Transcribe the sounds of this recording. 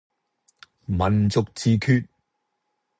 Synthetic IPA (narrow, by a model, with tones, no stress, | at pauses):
mɐ˨nt͡sʊ˨k̚t͡siː˨˧kʰyː˧t̚